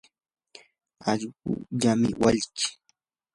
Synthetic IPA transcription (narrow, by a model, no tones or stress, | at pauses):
aʎɢʊ̰ʎamɪwaʎt͡ʃɪ̥